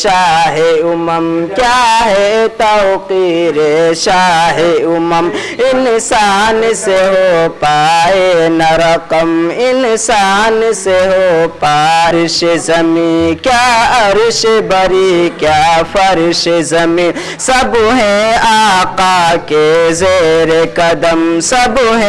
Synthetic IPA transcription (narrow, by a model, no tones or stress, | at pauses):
ʃaːɦeʊmɐmkjaɦet̪aqiɾeʃaɦeʊmɐm | ɪnsaːnseɦopaːenɐɾɐqɐmɪnsaːnseɦopaːɾɪʃezɐmĩkjaɐɾɪʃebɐɾikjafɐɾɪʃezɐmĩ | sɐbɦẽaːqaːkezeɾekɐd̪əmsɐbɦ